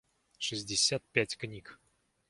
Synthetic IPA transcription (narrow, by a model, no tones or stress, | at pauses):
ʂɨzʲdʲɪsʲat̪̚pʲætʲknʲik